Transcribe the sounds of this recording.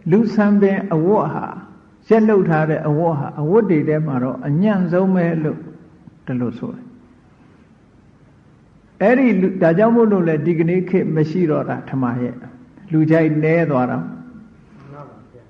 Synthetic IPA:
lu˨sʰã˨mbɪ̃˨ʔəwʊ˦ʔha̰˨ | jɛ˦ʔl̥o˦ʊtʰːa˦ɾɛ̰˦˨ʔəwʊ˦ʔɦa̰˨ʔəwʊ˦tːe˨ɾɛ˦m̥a˨ɾɔ̰˦ʔəɲã˦˨zõ˦ʊ̃mɛ˦lo̰˦˨ | d̥ə˨lo˨sʰo̰˨ɾɛ˨ | ʔɛ˦ɾi˨lu˨da˨d͡ʑã˦˨mo˦˨lo˨lɛ˦di˨ɡə˨nḛ˦˨kʰɪ˦ʔməʃḭ˦˨ɾɔ̰˦˨da̰˨tʰə˨ma˨jɛ̰˦ʔlu˨d͡ʑa˦ɪʔnɛ˦t̪wa˦ɾa̰˨

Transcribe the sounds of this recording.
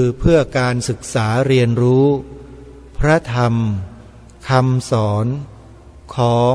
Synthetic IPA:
ɯː˧pʰɯ˥˩əkaː˧nsɯ˨˩k̚saː˩˦ɾi˧ənɾuː˦˥ | pʰɾa˦˥t̪ʰa˧m | kʰa˧msɔː˩˦n | kʰɔː˩˦

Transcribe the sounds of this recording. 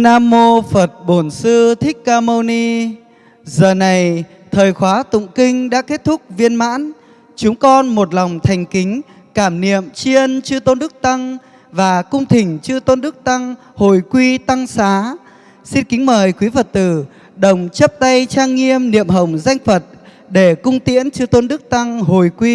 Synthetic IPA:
naː˧mo˧fə˨˩t̚ɓo˧˩nsɨ˧t̪ʰï˦˥k̚kaː˧mo˧ni˧ | zəː˨˩na˨˩j | t̪ʰəː˨˩jxwaː˨˦t̪ʊ̰˧˨ŋ͡mkï˧ŋ̟ɗa̰ː˧˥ke˦˥t̚t̪ʰʊ˦˥k̚vi˧ənma̰ː˧˥n | t͡ɕʊ˨˦ŋ͡mkɔ˧nmo˨˩t̚lɔ˨˩wŋ͡mt̪ʰa˨˩jŋ̟kï˨˦ŋ̟ | kaː˧˩mnḭ˧˨əmt͡ɕi˧ənt͡ɕɨ˧t̪o˧nɗɨ˦˥k̚t̪a˧ŋ | vaː˨˩kʊ˧wŋ͡mt̪ʰï˨˩ŋ̟t͡ɕɨ˧t̪o˧nɗɨ˦˥ək̚t̪a˧ŋ | ho˨˩jkwi˧t̪a˧ŋsaː˨˦ | si˧nkï˨˦ŋ̟məː˨˩jkwi˨˦və˨˩t̚t̪ɨ˧˨˩ | ɗə˨˩wŋ͡mt͡ɕə˦˥p̚t̪a˧jt͡ɕaː˧ŋːi˧əmnḭ˧˨əmɦə˨˩wŋ͡mza˧jŋ̟fə˨˩t̚ | ɗe˧˩kʊ˧ŋ͡mt̪ḭ˧˥ənt͡ɕɨ˧t̪o˧nɗɨ˦˥ək̚t̪a˧ŋɦo˨˩jkwi˧

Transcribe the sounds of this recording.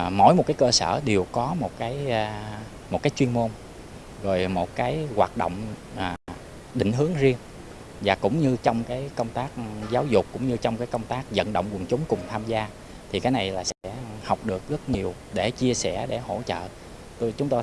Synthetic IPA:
mo̰˧˩jmo˨˩t̚kaː˨˦jkəː˧sə̰ː˧˩ɗi˨˩əwkɔ˨˦mo˨˩t̚kaː˨˦jː | mo˨˩t̚kaː˨˦jt͡ɕwi˧ənmo˧n | ɣo˨˩jmo˨˩t̚kaː˨˦jɣwa̰ː˨˩t̚ɗo̰˧˨wŋ͡m | ʔaː˨˩ | ɗï˧˨ŋ̟ɦɨ˨˦əŋzi˧ən | vaː˨˩kʊ̰˧˥ŋ͡mɲɨ˧t͡ɕɔ˧wŋ͡mkaː˨˦jkə˧wŋ͡mt̪aː˦˥k̚zaː˨˦wzʊ˨˩k͡p̚kːʊ̰˧˥ŋ͡mɲɨ˧t͡ɕɔ˧wŋ͡mkaː˨˦jkə˧wŋ͡mt̪aː˦˥k̚zə̰˧˨nɗo̰˧˨wŋ͡mkwə˨˩ənt͡ɕʊ˨˦ŋ͡mkʊ˨˩ŋ͡mt̪ʰaː˧mzaː˧ | t̪ʰi˨˩kaː˨˦jna˨˩jlaː˨˩sɛ̰˧˥ha˨˩wk͡p̚ɗɨ˨˩ək̚zə˦˥t̚ɲi˨˩əw | ɗe˧˩t͡ɕi˧əsɛ˧˩ɗe˧˩ho̰˧˩t͡ɕə̰ː˧˨ | t̪o˧jt͡ɕʊ˨˦ŋ͡mt̪o˧

